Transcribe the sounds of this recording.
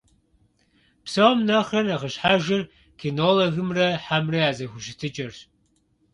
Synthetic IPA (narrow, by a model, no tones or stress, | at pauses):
psɐwmnɐχɐnɐʁəɕħaʒɪr | kʰinoloɣɨmrɐħamrɐjaːzɐxʷʊɕɪtʰɨt͡ʃʼɐr